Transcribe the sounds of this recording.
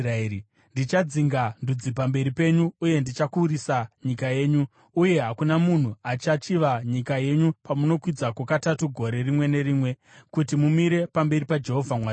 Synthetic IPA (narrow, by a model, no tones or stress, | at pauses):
aei | ndit͡ʃad͡ziŋɡandud͡zipambe̞ɾipe̞ɲuːje̞ndit͡ʃakuːɾisaɲikaje̞ːɲu | uje̞ɦakunamun̤uat͡ʃat͡ʃiʋaɲikaje̞ɲupamuno̞kwid͡zakwekatatuɡʱo̞ɾe̞rimwe̞ne̞ɾiːmwe̞ | kutimumiɾe̞pambe̞ɾipad͡ʒe̞ɦo̞vʱamwa